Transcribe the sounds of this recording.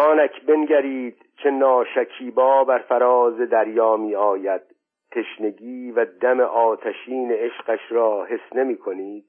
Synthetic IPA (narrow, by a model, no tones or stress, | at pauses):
ɒːnækʰbe̞nɡæɾiːd̪̥ | t͡ʃʰe̞nɒːʃækʰiːbɒːbæɾfæɾɒːze̞d̪æɾjɒːmiːɒːjæd̪̥̚ | t̪ʰːe̞ʃne̞ɡiːvæd̪æmeʔɒːt̪ʰæʃiːneeʃqæʃɾɒːhe̞sne̞miːkʰo̞niːd̪̥̚